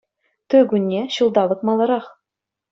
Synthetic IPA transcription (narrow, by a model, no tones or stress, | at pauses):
t̪ɵɡʲʉnʲːeɕulˠd̪ɑβɤ̆t̪̚mɑlˠɤ̆ɾɑχ